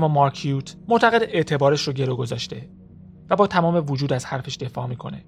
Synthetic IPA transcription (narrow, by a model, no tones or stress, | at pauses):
mːɒːmɒɾkʰjuːt̪ʰmot̪ʰæɣe̞d̪ʔeʔt̪ʰe̞bɒːɾeʃɾoɟeɾoɡo̞zɒːʃt̪e̞ | væbɒːt̪ʰæmɒːme̞vod͡ʒuːd̪æz̥hæɾfe̞ʃd̪̥e̞fɒːmiːkʰo̞̰ne̞̰